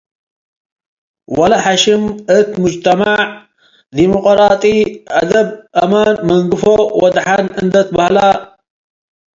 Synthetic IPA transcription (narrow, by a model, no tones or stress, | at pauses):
wɐlɐħaʃɪmɨt̪mʊd͡ʒt̪ʰɐmaʕ | d̪imoqʼɾaːt̪ʼiad̪ɐbʔɐmaːnmɐŋɡɨfowɐd̪ħanɨnd̪ɐt̪̚bahla